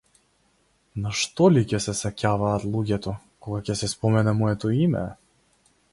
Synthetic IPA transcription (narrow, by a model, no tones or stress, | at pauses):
naʃt̪ɔlicɛsɛsacʲavaːt̪lˠuɟɛt̪ɔ | kɔɡacɛsɛspɔmɛnɛmɔɛt̪ɔimɛ̰